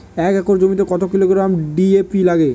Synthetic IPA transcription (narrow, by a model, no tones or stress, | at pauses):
ɛkɛkoɾd͡ʑomit̪̬ekɔt̪okiloɡɾamɖiepilaɡe